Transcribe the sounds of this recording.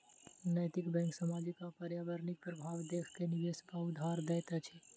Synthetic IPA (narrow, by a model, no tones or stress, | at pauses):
nəjt̪ɪkbɛ̃ŋksamad͡ʒikapəɾjaʋəɾnik̚pɾəbʱaʋd̪ekkeniʋespaʊd̪ʱaɾd̪ɛjt̪at͡ʃʰe